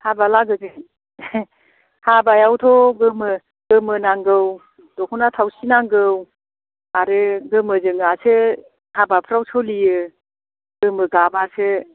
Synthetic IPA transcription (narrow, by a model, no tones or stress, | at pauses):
habalaɡɯzɯ | habajawtʰɔɡɯmɯ | ɡ̥ɯmɯnaŋɡɯw | d̥ɔkʰunatʰawsinaŋɡɯw | aɾɯɡɯmɯzɯŋasɯ | habapʰɾawsʰɔlijɯ | ɡɯmɯɡabasɯ